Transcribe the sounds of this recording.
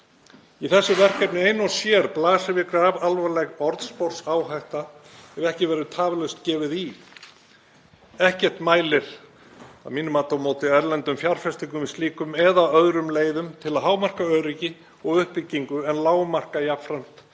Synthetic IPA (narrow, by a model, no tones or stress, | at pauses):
iθɛsːʏvɛr̥kɛpnɪejnɔsjɛɾplaːsavɪkɾavalvalɛɣɔɾt̪spɔr̥saːwɦajht̪aɛvɛhcɪvɛɾʏt̪ʰaːvɪlœɥst̪cɛːvɪði | ɛhcɛr̥t̪maːjlɪɾ̥ | a̰ðmiːnʏmaːt̪ɔmoːwt̪ɪɛɾlɛnt̪ʏmfjar̥fɛst̪iŋkʏmɪst̪iːkʏmɛðaœðɾʏmleːjðʏmt̪ʰɪlaðɦaːwmar̥kaœːɾɪcɪ | ɔɣʏhpɪcːiŋkʏɛnlaːwmar̥kajapfɾam̥t̪